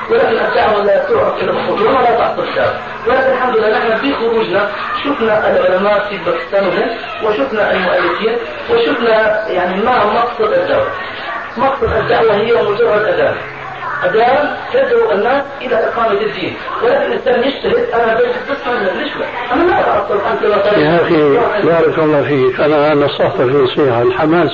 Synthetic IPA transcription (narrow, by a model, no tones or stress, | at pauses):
wɪlaːkɪnʔat̪ːaʕmalsʊɾʕɑkʔɪlːamaxuːd̪wɪmalaʔ̪ɑħsˤɨlɪd̪ːa̰wa̰ | wɪlaːkɪnɪlħamd̪ʊlːaːnɪħnabixʊɾuːd͡ʒna | ʃʊfnaʔɪlʕʊlamaːʔfibakst̪aːnɪlɪn | wɪaʃʊfnaʔɪlmʊʔalːɪfiːn | waʃʊfnajaʕnimamɑqsˤɨd̪ʔad̪ːa̰ʕwa̰ | mɑqsˤɨd̪ʔad̪ːaʕwaɦɪjːamʊd͡ʒɑrˤːɑd̪ʔad̪aːm | ʔad̪aːmt̪ad͡ʒːɾuʔɪnːaːsʔɪlaʔɪqaːmat̪ɪd̪ːiːn | wɪlaːkɪnʔɪnsaːnjɪʃt̪aɦɪd̪ʔanaabeːt̪ɪt̪basːmad̪habnɪʃma | ʔamːalaʔat̪ʔɑsˤːɑlʔant̪lamːat̪ˤɑhafiwaːʔɪbɑːɾˤɑkɑlˤːɑːfiːkʔanaanɑsˤːɑħfɑfinɑsˤiːħɑlħamaːs